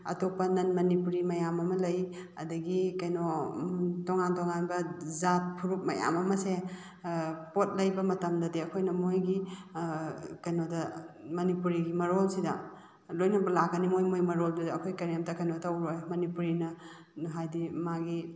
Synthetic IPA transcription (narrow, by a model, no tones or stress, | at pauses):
ɐ̰topɐnɐnmɐnipuɾimɐjamɐmɐlɐj | ɐdɐɡikɐjno | toŋantoŋanbɐzat̚pʰuɾup̚mɐ̰ja̰mɐmɐse | pot̚lɐjbɐmɐtɐmdɐdiɐkʰojnɐmojɡi | kɐjnodɐmɐnipuɾiɡimɐɾolsidɐ̰ | lojnɐbɐlaɡɐnimojmojmɐɾoldidɐkʰojkɐɾamtɐkɐjnotʰɐwɾojmɐnipuɾinɐ | ɦajdimaɡi